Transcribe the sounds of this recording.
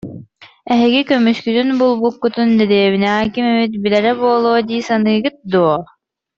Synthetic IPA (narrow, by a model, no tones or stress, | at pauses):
ɛɦɛɡikœmyʃkyt̪ynbulˠbukːut̪und̪ɛd̪eːβinɛɦaːkimɛβit̪̚bilɛɾɛbuɔlˠuːd̪iːsanɯːɡɯt̪̚d̪uɔ